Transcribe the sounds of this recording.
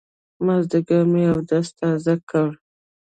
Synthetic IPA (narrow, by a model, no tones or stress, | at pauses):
mazd̪əɡameawd̪əast̪ɑzakawɽ